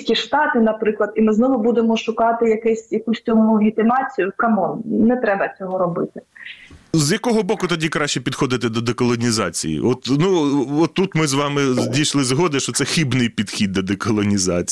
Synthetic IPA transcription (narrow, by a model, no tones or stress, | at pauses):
kʲiʃt̪ɑt̪ɪnɐpɾɪklˠɐd̪imɪznɔʋʊbud̪emɔʃʊkɑt̪ɪjɐkɛsʲjɐkusʲtʲɔmʋʲit̪ɪmɑt͡sʲijʊkɐmɔnnɛt̪ɾɛbɐt͡sʲɔɦɔɾɔbɪt̪ɪ̥ | zjɐkɔɦɔbɔkʊt̪ɐdʲikɾɑʃʲt͡ʃɛpʲid̪xɔd̪ɪt̪ɛd̪ɔd̪ekɔlˠɔnʲizɑ̰t͡sʲḭjḭʔɔt̪nuɔt̪ːut̪mɪzʋɑmɪdʲijʃlˠɪzɦɔd̪ɪʃt͡ʃɔt̪sɛxʲibnɪjpʲid̪xʲid̪ːɔd̪ekɔlˠɔnʲizɑ̰t͡sʲ